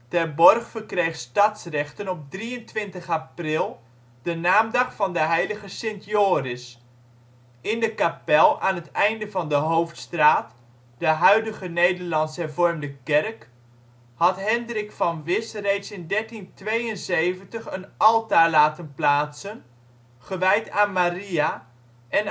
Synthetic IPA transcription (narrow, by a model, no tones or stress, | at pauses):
tɛɹbɔrχfəɹkrejχstɑtsrɛχtənɔp̚driəntʋɪntəχaprɪlˠ | d̥ənaːmdɑχfɑndəɦɛjləχəsɪntjoːrɪs | ɪndəkapɛlˠaːnɦətɛjndəvɑndəɦowftstraːt | d̥əɦœɥdəχənejdəɹlɑntsɦɛɹvɔɹmdəkɛrk | hɑtɦɛndrɪkfɑnʋɪsrejtsɪndɛɹtintʋejənsejvəntəχənʔɑlˠtaːɹlaːtənplaːtsən | χəʋɛjtaːnmaria | ʔɛn